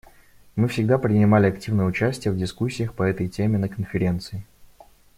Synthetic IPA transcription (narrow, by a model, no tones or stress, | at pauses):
mɨfsʲɪɡ̚d̪apɾʲɪnʲɪmalʲɪɐktʲivnəjəʊt͡ɕæsʲtʲɪjəvdʲɪskusʲːɪjəxpəɛt̪əjtʲemʲɪnəkənfʲɪɾʲe̞nt̪sɨɪ